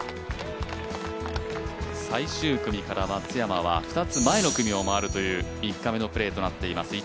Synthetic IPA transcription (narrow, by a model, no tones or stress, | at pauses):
saiɕɨːkɯ̟mʲikaɾamat͡sɨjamaβ̞a̰ɸɯ̟̥t̪at͡sɨmae̞no̞kɯ̟mʲio̞maːɾɯ̟t̪o̞jɯ̟ːikːame̞no̞pɯ̟ɾe̞ːt̪o̞nat̪ːe̞imasɨ